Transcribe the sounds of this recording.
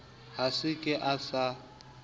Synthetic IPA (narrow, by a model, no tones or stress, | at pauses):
ɦasɪkʼɪʔasa